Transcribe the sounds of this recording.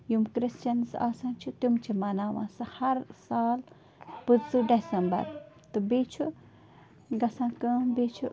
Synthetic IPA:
jumkɾɪst͡ʃɐnsa̰ːsãːt͡ʃʰut̪umt͡ʃʰimɐnaːʋã̰ːsɨhɐɾsaːl | pɨd̪suɖesɐmbɐ̰ɾ | t̪ɨbeːt͡ʃʰu | ɡɐsãːkə̃ːbet͡ʃʰu

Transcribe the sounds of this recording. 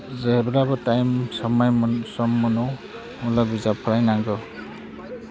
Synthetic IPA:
zebɾabɔtajmsɔmajsɔmːɔnɔw | mulaɡuzapʰɾajnaŋɡɔ

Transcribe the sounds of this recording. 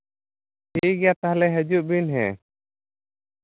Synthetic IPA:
hiɡɛjat̪aɦalɛɦəd͡ʒuʔ̚binɦɛ̰

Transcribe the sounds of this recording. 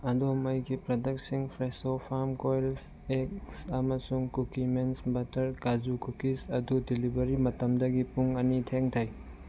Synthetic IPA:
ɐdoɐmɐjɡipɾɐdɐk̚siŋpʰɾesopʰaɾmkojls | ek̚sɐmɐsuŋkukimensbɐtɐɾkad͡ʒukukisɐdudilibɐɾimɐtɐmdɐɡipuŋɐnitʰeŋtʰaj

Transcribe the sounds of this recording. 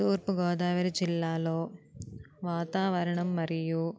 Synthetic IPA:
t̪uːɾpuɡɔːd̪aːʋɐɾid͡ʒilːaːloː | ʋaːt̪aːʋɐɾɐɳɐmːɐɾiju

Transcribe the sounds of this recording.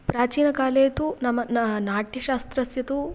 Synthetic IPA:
pɾaːt͡ʃiːnɐkaːleːt̪unɐmːɐnɐnaːʈjɐʃaːst̪ɾɐsjɐt̪u

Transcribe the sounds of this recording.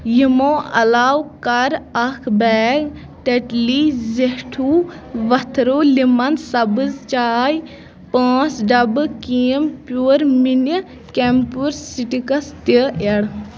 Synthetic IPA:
jimoːɐlaːwkɐɾɐkʰbɛːɡ | ʈeʈliːzehʈʰuː | ʋɐt̪ʰɾoːlimɐnsɐbɨzt͡ʃaːj | pãːt͡sɖɐbɨkiːəmpuɾminə | kempuɾsiʈikɐst̪əeɽ

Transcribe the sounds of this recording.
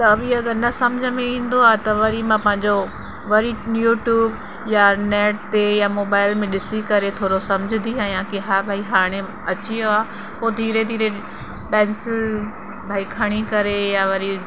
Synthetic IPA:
t̪ɐɐʋiɐɡəɾnɐsɐmd͡ʑʱəmẽĩːn̆d̪oaːɦet̪ɐʋɐɾimãpɐ̃ɦɪ̃ɲd͡ʑo | ʋɐɾijuːʈjuːb | janɛːʈ̚t̪ejamoːbaːɪlmẽɗɪsikɐɾet̪ʰoːɾosɐmd͡ʑʱɪnd̪ʱiɦaːjãkiɦaːbʱaːiɦaːɽ̃ẽ | ɐt͡ɕioaː | poːd̪ʱiːɾed̪ʱiːɾe | pɛ̃ːnsɪl | bʱaːikʰɐɽ̃ikɐɾejaʋɐɾi

